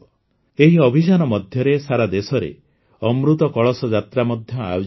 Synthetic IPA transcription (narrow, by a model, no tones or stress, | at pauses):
eɦiɔbʱis̬anɔmɔd̪ʱjɔɾesaɾad̪esɔɾḛ | ɔmɾut̪ɔkɔɭɔsɔd͡ʒat̪ɾamɔd̪ʱjɔa̰jo